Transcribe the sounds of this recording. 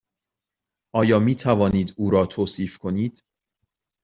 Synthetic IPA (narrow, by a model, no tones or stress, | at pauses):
ʔɒːjɒːmiːt̪ʰævɒːniːd̪uːɾɒːt̪ʰoːsiːfkʰo̞niːd̪̥